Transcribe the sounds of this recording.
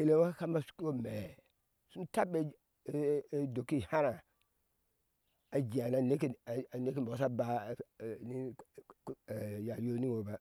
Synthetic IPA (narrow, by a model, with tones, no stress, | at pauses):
he˨le˦wa˦ka˦ma˦su̥˦ku˦o˦me˨ | su˦n˦ta˦be˦ | do˨ki˦ha˦ɾa˨ | a˨d͡ʒi˨a˨na˨ne˦ki˦˨ne˦ki˦m˨bo˨˦sa˦ba˨ni˦˨ | ja˨jo˦ni˦ŋo˨ba˨